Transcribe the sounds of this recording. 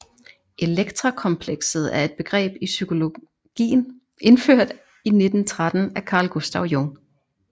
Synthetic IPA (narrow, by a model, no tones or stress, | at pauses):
ʔe̝leɡ̥t͡sʰʁakʰɒ̽mpʰleɡ̥sð̞̩ˠæɐe̝d̥̚b̥e̝ɡ̥ʁɛ̰ːb̥isykʰo̝lo̝ | ɡ̥ḭːn̩ | e̝nføɐ̰d̥ | ine̝d̥n̩t͡sʰʁad̥n̩ækʰɑ̈ːlɡ̥usd̥ɑʊjɔŋ